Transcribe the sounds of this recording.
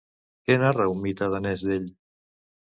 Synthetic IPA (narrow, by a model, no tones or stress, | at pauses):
kenarawmit̪aðanɛzðeʎ